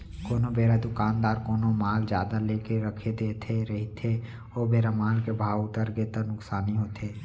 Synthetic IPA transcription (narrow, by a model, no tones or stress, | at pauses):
koːnobeːɾad̪ʊkaːnd̪aːɾkoːnomaːld͡ʒjaːd̪aleːkeɾəkʰed̪eːt̪ʰeɾəɦit̪ʰe | oːbeːɾamaːlkebʱaːwʊt̪əɾɡet̪ənʊksaːniɦoːt̪ʰeː